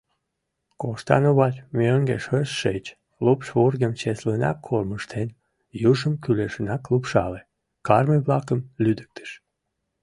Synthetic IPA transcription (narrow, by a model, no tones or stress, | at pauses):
koʃt̪ɑ̰noβɑlʲmʲøŋɡeʃøsːet͡ɕ | lupʃβurɡemt͡ɕeslenɑ̰kʰːolməʃt̪ʰen | juʒəmkyleʃənɑklupʃɑ̰le | kɑrməβlɑkə̆mlʲyd̪ə̥k̚t̪ʰə̥ʃ